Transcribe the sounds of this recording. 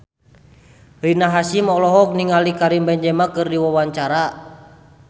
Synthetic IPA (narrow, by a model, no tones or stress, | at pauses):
rinaɦasimɔlɔɦɔk̚niŋalikaɾimbɛɲd͡ʒɛmakɨrdiwawaɲt͡ʃaɾa